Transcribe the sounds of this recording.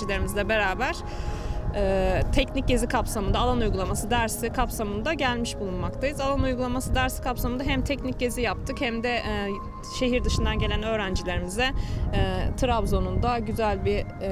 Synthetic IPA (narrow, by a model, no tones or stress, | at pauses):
ilʲe̞ɾimizlʲɛbe̞ɾaːbæɾ̥ | ɛːt̪ʰɛcnic̚ɟe̞zikʰapsamɯnd̪aːlˠanujɡulˠamasɯd̪æɾsikʰapsamɯnd̪aɟælʲmiʃbulˠunmakt̪ʰajɯzalˠanujɡulˠamasɯd̪æɾsi̥kapsamɯnd̪aɦæmt̪ʰɛcnic̚ɟe̞zijap̚t̪ʰɯkhæmd̪ɛʔ | ʃe̞ɦiɾd̪ɯʃɯnd̪anɟelʲænø̞ːɾænd͡ʒilʲe̞ɾimizɛː | t̪ʰɯɾavzo̞nund̪aɟyzælʲbi